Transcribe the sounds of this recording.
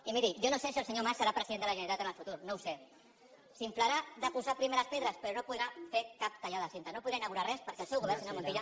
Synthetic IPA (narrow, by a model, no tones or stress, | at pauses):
imiðiʒonosesiəlsəɲomasəɾapɾəziðend̪ələʒənɾit̪at̪ənəlfut̪uɾnowse | siɱflaɾaðəpuzapɾimeɾəspeðɾəspəɾonopuðɾafekap̚t̪aʎaðəsent̪anopuðɾainaɣuɾarɛspəɾkɛəlˠsɛwɣuβɛɾnsinamunt̪iʎa